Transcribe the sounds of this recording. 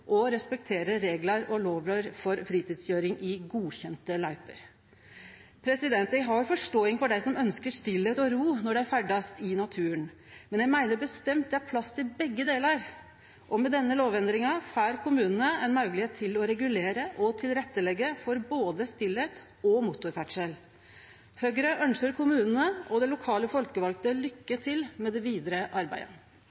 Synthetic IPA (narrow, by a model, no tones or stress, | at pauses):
ʔɔɾɛspɛk̚t̪ʰeːɾəɾeːɡlɑɾɔloːʋəɾfɔɾfɾiːt̪iːd̪sjøːɾɪŋʔɪɡuːçɛnt̪əlɑɪpə̰ɾ | pʰɾɛsɪd̪ɛnt̪æɡɦɑɾjʊfɔʂʈoːɪŋfɔɖæɪsɔmœnskəʂt̪ɪlːeːt̪ɔɾuːnɔɖɛæɾfæɖɑst̪ɪnɑt̪ʰʉːən | mɛnjæɪmæɪnəɾbəst̪ɛmt̪̚d̪ɛæɾpʰlɑst̪ʰɪlbɛɡːəd̪eːləɾ | ʔɔmɛd̪ɛnːəloːʋɛnd̪ɾɪŋɑfæːɾkʊmʉːnənəɛnmɑʉɡəlɪheːt̪ʰːɪlɔɾɛɡʉleːɾəʔɔt̪ʰɪlɾɛt̪ːəlɛɡːəfɔɾboːd̪əst̪ɪleːt̪ | ɔmʊt̪ʊɾfæʈʂɛl | høːɡɾəʔœnsəɾkʰʊmʉːnənəʔɔd̪ɛlʊkʰɑːləfɔlkəʋɑlk̚t̪əlʏkːət̪ʰɪlmɛd̪ɛʋiːd̪ɾəʔɑɾbæ̰ɪə̰